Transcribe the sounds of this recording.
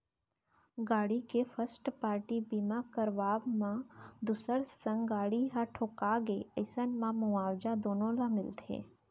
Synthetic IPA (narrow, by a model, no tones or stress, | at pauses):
ɡaːɽikefʰəsʈpaːɾʈibimakəɾʋaːbmãd̪usəɾsə̃ŋɡɡaːɽiɦãʈʰoːkaɡeəɪsənmãmʊaːwd͡ʒad̪oːnõlamɪlt̪ʰḛː